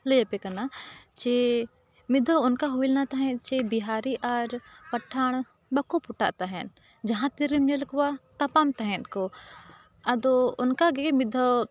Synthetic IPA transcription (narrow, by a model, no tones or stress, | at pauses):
ləjepekɐnat͡ʃe | mɪd̪ʱəʊnkaɦuilnat̪aɦɛ̃t͡ʃebiɦaːɾiʔaɾpɐʈʰːaːɳ̃ | bɐkopʊʈa̰ːʔt̪aɦɛn | d͡ʒɐɦãt̪iɾimnelkwat̪ɐpaːmt̪aɦɛ̃t̪ko | ɐd̪oʊnkaɡemɪd̪ʱə